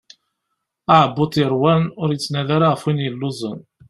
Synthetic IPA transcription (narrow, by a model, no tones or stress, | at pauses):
aʕbːʊt̪ˤjəɾˤwænʊɾjət͡sːnæðaɾaʁəfwinjəlːʊzˤə̰n